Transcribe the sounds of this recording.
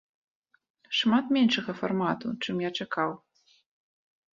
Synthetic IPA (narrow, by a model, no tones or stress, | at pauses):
ʂmat̪mʲɛnʂɐɣɐfa̰rmat̪ut͡ʂɨmjat͡ʂakʰaw